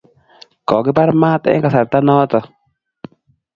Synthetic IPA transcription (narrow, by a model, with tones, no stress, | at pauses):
kɔ˨kɪ˦pa˦ɾmaː˦tɛ̰˦ka˨sa˨ɾta˦nɔː˦tɔ˨